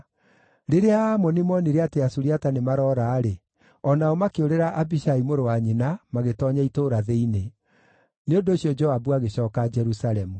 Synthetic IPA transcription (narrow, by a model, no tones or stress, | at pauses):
ɾeɾeamɔnimɔniɾeateasuɾiatanemaɾɔːɾaːɾe | ɔnaɔmakeoɾeɾaʔabiɕaimoɾowaɲenamaɣetɔɲaitoːɾaðeine | neondoːɕjɔd͡ʒɔabuaɣeɕɔːkad͡ʒɛɾusaɾɛmu